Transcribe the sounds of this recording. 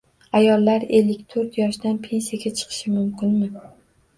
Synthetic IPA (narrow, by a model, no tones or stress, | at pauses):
ajɒlːaɾe̞lːɪkʲt̪ʰɵɾt̪jɒʃd̪anpʰe̞nsijaɡʲat͡ʃʰɨ̥qʰɨ̥ʃɪmʊmkʲɪnmɪ